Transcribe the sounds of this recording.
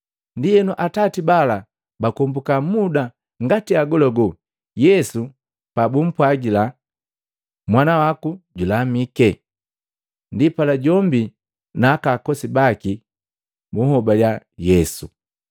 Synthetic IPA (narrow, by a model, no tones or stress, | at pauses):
ndijɛnuʔatatibala | bakɔmbukamuda | ŋɡatiaɡɔlɔɡɔ | jɛsu | pabum̩pwaɡila | mwanawakuɟulamikɛ | ndipalaɟɔmbi | naːkakɔsibaki | buhɔbaljajɛsu